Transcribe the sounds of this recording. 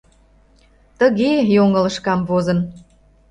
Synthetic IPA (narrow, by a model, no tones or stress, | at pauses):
t̪əɣejoŋə̆lə̆ʃkɑmvozən